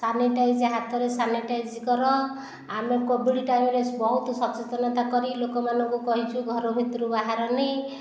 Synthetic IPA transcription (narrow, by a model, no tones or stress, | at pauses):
saneʈajd͡ʒiɦat̪ɔɾesaneʈajd͡ʒkɔɾɔ | amekobiɽiʈajmɾesbɔɦut̪ɔsɔpt͡ʃet̪ɔnɔt̪akɔɾilokɔmanɔŋkukɔɦit͡ʃʰuɡʱɔɾɔbʱit̪ɾubaɦaɾɔnej